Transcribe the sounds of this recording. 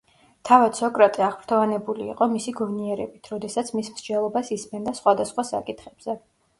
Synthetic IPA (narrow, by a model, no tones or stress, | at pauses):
t̪ʰavat̪sɔkʼɾat̪ʼiaʁpʰɾt̪ʰɔvanɛbulḭːqʼɔmisiɡɔvniɛɾɛbit̪ʰɾɔd̪ɛsat̪sʰmismɾd͡ʒɛlˠɔbasismɛnd̪asχwad̪asχwasa̰kʼit̪ʰχɛb̥z̥ɛ